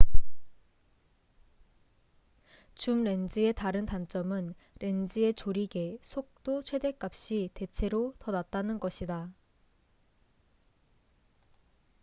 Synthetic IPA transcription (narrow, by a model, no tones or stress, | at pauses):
t͡ɕumɾe̞nd͡ʑie̞taɾɯntant͡ɕ͈ʌmɯn | ɾe̞nd͡ʑie̞t͡ɕoɾiɡe̞sʰok̚t͈ot͡ɕʰwe̞de̞k͈ap̚ɕ͈ite̞t͡ɕʰe̞ɾotʌnat̚t͈anɯnɡʌɕʰida